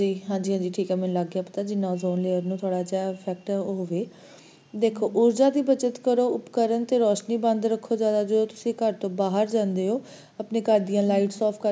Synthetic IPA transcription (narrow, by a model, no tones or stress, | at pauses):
d͡ʒiːɦãːd͡ʒiːɦãːd͡ʒiːʈʰiːkɛːmɛ̃nləɡːjãːpə̥t̪aːd͡ʒɪnːãːzoːnleːəɾnũːt̪ʰoːɽaːd͡ʒapʰɛːk̚ʈɦoːʋeː | d̪eːkʰːoːʔʊɾd͡ʒaːd̪iːbət͡ʃət̪kəɾoːʊpkəɾənt̪eːɾɔːʃniːbə̃nd̪ɾəkʰːoːd͡ʒaːd̪aːd͡ʒəd̪oːt̪ʊsĩːkəɾt̪õːbaːɦəɾd͡ʒãːnd̪eːɦoː | əpneːkəɾd̪ɪjãːlaːɪʈsɔːpʰkəɾ